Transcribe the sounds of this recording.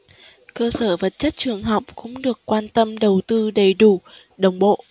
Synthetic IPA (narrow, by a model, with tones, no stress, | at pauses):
kəː˧səː˧˩və˨˩t̚t͡ɕə˦˥t̚t͡ɕɨ˨˩əŋɦa˨˩wk͡p̚kʊ̰˧˥ŋ͡mɗɨ˨˩əkːwaː˧nt̪ə˧mɗə˨˩wt̪ɨ˧ɗə˨˩jɗu˧˩ | ɗə˨˩wŋ͡mɓo̰˧˨ʔ